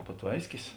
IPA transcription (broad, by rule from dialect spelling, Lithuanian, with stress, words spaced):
pɐˈtʋɐɪsʲkʲɪs